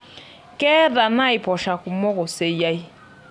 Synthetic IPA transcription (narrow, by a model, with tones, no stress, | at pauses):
kɛ˦ða˨na˦i˨pɔ˨ʃa˨ku˨mɔ˦ɣɔ˨se˨ja˦i˦